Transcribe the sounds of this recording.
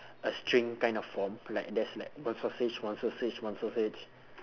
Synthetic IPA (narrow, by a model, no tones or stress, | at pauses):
əstɹĩŋkãj̃ndɔffɔmlaɪk̚dɛslaɪk̚wãnsɔsed͡ʒwãnsɔset͡ʃwãnsɔset͡ʃ